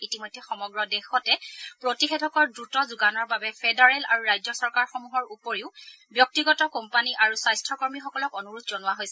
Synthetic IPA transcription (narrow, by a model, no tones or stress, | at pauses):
itimɔjdʱːɛxɔmɔɡɹɔdɛxɔtɛpɹotixedʱɔkɔɹdɹutɔzuɡanɔɹbabɛpʰedaɹɛla̰ɹuɹajzɔsɔɹkaɹxɔmuɦɔɹupoɹiʊ | bjɔk̚tiɡɔtɔkɔmpaniʔaɹusajstʰɹɔkɔɹmixɔkɔlɔkɔnuɹutzɔnʊwaɦojsɛ